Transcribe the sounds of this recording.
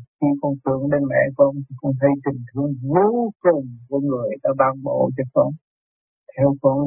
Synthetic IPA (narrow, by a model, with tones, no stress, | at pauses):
xi˧kɔ˧nt̪ɨ̰˧˨əŋɗe˧nmɛ̰˧˨kɔ˧nt̪ʰi˨˩xɔ˧˦wŋ͡mt̪ʰə˧˦jt̪ï˨˩ŋ̟t̪ʰɨ˧əŋzɨ˧wkʊ˨˩ŋ͡mkɔ˧˦nzo˨˩ə˨ɗa˧˦ɓaː˧ŋɓo̰˧˨t͡ɕɔ˧kɔ˧n | t̪ʰɛ˧wkɔ˧n